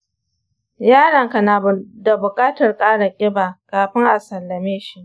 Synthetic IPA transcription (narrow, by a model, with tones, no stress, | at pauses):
jaː˦ɽɐ˨ŋka˨na˨bʊ˨da˨bʊ˨kʼaː˦tɐ˨rkʼaː˦ɽa˨kʲʼɪ˦baː˨kaː˨ɸɪ˦ŋʔa˨sɐ˨lːɐ˨meː˦ʃi˦ʔ